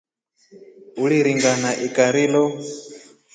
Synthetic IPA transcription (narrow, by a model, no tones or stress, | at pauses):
uliɾiŋɡanaʔikʼaɾiːlɔ